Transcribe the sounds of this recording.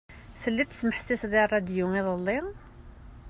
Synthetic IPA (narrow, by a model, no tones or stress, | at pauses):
θəlːit̪ːəsməħsisðˤirˤːɑd̪juŋiðˤəlˤːi